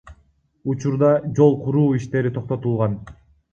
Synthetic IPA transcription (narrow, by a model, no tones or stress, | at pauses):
ut͡ʃuɾd̪ɑd͡ʒo̞lˠqʰuɾuːiʃt̪e̞ɾit̪ʰo̞q̚t̪o̞t̪ulˠʁɑn